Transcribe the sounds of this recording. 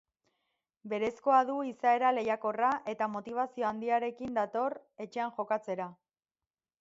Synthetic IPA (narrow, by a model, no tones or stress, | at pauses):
be̞ɾe̞sko̞aðuisae̞ɾale̞jako̞raʔe̞t̪amo̞t̪iβ̞asio̞and̪iaɾe̞kind̪at̪o̞re̞t͡ʃe̞aŋʝo̞kat͡se̞ɾa